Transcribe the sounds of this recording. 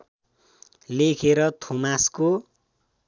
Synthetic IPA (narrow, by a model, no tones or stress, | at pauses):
lekʰeɾʌt̪ʰomasko